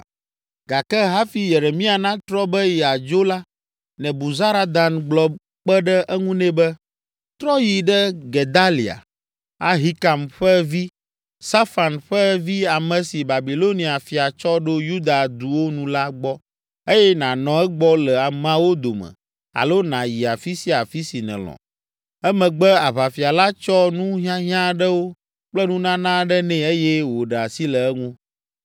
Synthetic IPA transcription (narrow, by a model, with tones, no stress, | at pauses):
ɡa˨kɛ˦ɦa˦fi˦je˨ɾe˨mĩ˦a˨nã˦t̪ɾɔ˦bɛ˦jɛ˨a˨d͡ʒo˦la˦ | nɛ̃˨bu˨za˦ɾa˦d̪a˨nɡ͡blɔ˦ | k͡pɛ˦ɖɛ˦ʔɛ˦ŋũ˦nɛ̃˦bɛ˦ | t̪ɾɔ˦ji˨ɖɛ˦ɡe˨d̪a˦li˨a̰˨ | a˦ɦi˦ka˨mɸɛ˦vi˦ | sa˦fa˨nɸɛ˦vi˦a˨mɛ̃˨si˨ba˨bi˨lo˦nĩ˨a˨fi˨a˨t͡ʃɔ˦ɖo˦ju˦d̪a˨d̪u˨wo˦nũ˦la˦ɡ͡bɔ˦ | e˦jɛ˦nã˨nɔ̃˨ɛ˦ɡ͡bɔ˦lɛ˨a˨m˦ã˨˦wo˦d̪o˨mɛ̰̃˨ | a̰˨lo˦nã˨ji˨a˨fi˦si˦a˨fi˦si˨nɛ̰̃˨lɔ̰̃˨ | ɛ˦mɛ̃˨ɡ͡bɛ˦a˨βa˨fi˨a˨la˦t͡ʃɔ˦nũ˦ɦĩ˦ã˦ɦĩ˦ã˦ɖɛ˦wo˦ | k͡plɛ˦nũ˦nã˦nã˦ɖɛ˦nɛ̃˨e˦jɛ˦wo˨ɖɛ˨a˨si˦lɛ˨ɛ˦ŋũ˦